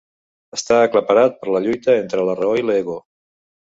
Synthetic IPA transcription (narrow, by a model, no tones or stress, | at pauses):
əst̪aːkləpəɾat̪̚pəɾləʎujt̪əent̪ɾələrəoileɣo